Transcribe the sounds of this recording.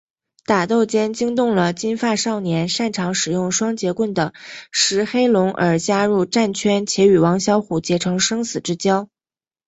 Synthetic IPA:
t̪a˨˩t̪o˥˩ʊt͡ɕjɛ˥nt͡ɕi˥ŋt̪ʊ˥˩ŋlə˩t͡ɕi˥nfa˥˧ʂɑ˥˩ʊnjɛ˧˥nʂa˥˩nʈ͡ʂʰɑ˧˥ŋʂɻ̩˨˩jʊ˥˩ŋʂwɑ˥ŋt͡ɕjɛ˧˥kwə˥˩nd̪ə˩ʂɻ̩˧˥xe˥ɪlʊ˧˥ŋʔə̰˞˨˩t͡ɕja˥ɻu˥˧ʈ͡ʂa˥˩nt͡ɕʰɥɛ˥nt͡ɕʰjɛ˧˥y˨˩wɑ˧˥ŋɕjɑ˥ʊxu˨˩t͡ɕjɛ˧˥ʈ͡ʂʰɤ˧˥ŋʂɤ˥ŋsɹ̩˨˩ʈ͡ʂɻ̩˥t͡ɕjɑ˥ʊ

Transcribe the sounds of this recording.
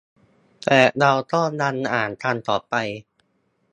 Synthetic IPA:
t̪ɛː˨˩ɾa˧wt̪ɔ˥˩ŋda˧nʔaː˨˩nt̪ʰa˧nt̪ɔː˨˩pa˧j

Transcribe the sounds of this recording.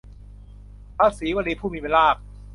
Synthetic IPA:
pʰaː˦˧˥siː˨˩˦waː˧liː˧pʰuː˥˩miː˧pe˧nlaː˥˩k̚

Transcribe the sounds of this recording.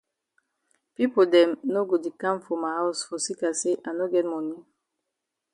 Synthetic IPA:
pi˦po˨dɛ̃˨mno˦ɡo˨di˨kã˦mfɔ˨ma˨ha˦ʊsfɔ˨si˦ka˨se˦ʔa˨no˦ɡɛ˦t̚mɔ˨ni˦

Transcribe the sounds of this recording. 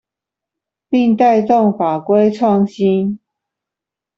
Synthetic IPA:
pi˥˧ŋt̪a˥˧ɪt̪o˥˨ŋfa˨˩kwe˥˦ɪʈ͡ʂʰwɑ˥˨ŋɕi˦n

